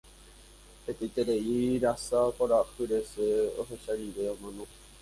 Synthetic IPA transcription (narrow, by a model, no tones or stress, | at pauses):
het̪ejt̪eɾeiɾasapoɾahɨɾeseo̰ɦeʃaɾiʋeõmãnõ